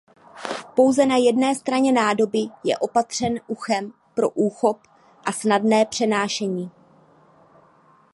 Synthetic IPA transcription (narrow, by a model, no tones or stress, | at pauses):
po̞wzɛnajɛdnɛːst̪ɾaɲɛnaːdo̞bɪjɛ̰ʔo̞pat̪r̝̥ɛnʔuxɛm | pɾo̞ʔuːxo̞p | ʔasnadnɛːpr̝̥ɛnaːʃɛɲiː